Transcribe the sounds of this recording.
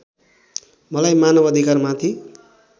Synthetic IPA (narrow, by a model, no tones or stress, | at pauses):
mʌlajmanʌbʌd̪ʱikarmat̪ʰi